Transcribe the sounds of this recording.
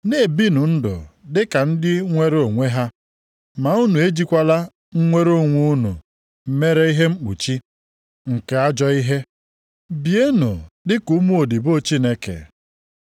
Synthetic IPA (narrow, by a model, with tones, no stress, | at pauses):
ne˦˨bi˦nʊ˨n̩˦dʊ̰˨dɪ˦ka˨n̩˦dɪ˦ŋʷe˦ɾo˨ŋʷe˦ɦa˦ | ma˨u˦nu˨e˦d͡ʒi˦kʷa˦la˦ | ŋ̩˦ŋʷe˦ɾo˦˨ŋʷu˦u˦nṵ˨ | m̩˦me˦ɾe˦i˦ɦe˦ŋ͡m̩˦k͡pṵ˨t͡ʃi˦ | ŋ̩˨ke˨a˦d͡ʒɔ˦i˦ɦe˦ | bi˨e˦no˨dɪ˦ku˨˦mu˦o˨di˨bo˦t͡ʃi˦ne˦kḛ˨